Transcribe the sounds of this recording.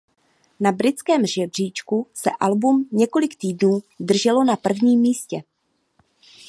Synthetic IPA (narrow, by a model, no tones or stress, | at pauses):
nabɾɪt͡skɛːmʒɛbr̝̥iːt͡ʃkusɛ̰ʔalbumɲɛko̞lɪkt̪iːdnuːd̪r̩ʒɛlo̞napr̩vɲiːmːiːscɛ